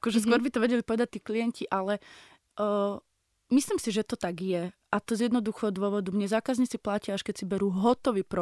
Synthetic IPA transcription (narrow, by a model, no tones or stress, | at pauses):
akɔʒɛskkʊɔɾbit̪ɔʋɛɟɛlipɔʋɛd̪ac̚t̪iːklijɛnciʔalɛ | misliːmsiʒɛt̪ɔt̪aɡjɛʔat̪ɔzjɛd̪nɔd̪uxɔd̪ʊɔʋɔd̪umɲɛzaːkazɲit͡siplaciaʃkɛcsibɛɾuɦɔt̪ɔʋiːpɾɔ